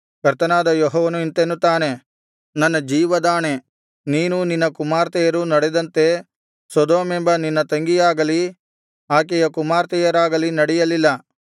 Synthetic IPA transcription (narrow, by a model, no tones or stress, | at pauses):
kɐɾt̪ɐnaːd̪ɐjoɦɔːʋɐnuint̪enːut̪aːne̞ | nɐnːɐd͡ʒiːʋɐd̪aːne̞ | niːnuninːɐkumaːɾt̪ɛjɐɾunɐɽed̪ɐnt̪e̞ | sɐd̪oːme̞mbɐninːɐt̪ɐŋɡijaːɡɐli | aːk̬ɛjɐkumaːɾt̪ɛjɐɾaːɡɐlinɐɽɛjɐlilːɐ